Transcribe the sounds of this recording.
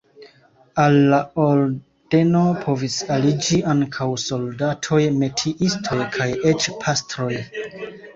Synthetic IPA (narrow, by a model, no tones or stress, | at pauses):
alːaoɾ | d̥e̞no̞pʰo̞visalid͡ʒiʔaŋkʰawso̞ldatʰo̞jme̞tʰiʔistʰo̞jkʰajet͡ʃpʰastɾo̞j